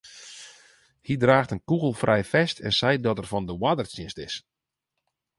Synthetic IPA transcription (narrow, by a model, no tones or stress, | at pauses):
hidraːxtənkuɣəlˠfrʔɛjfɛstʰɛ̰nsɛjdɔtɛrfɔndəwadərsɪstɪ̰s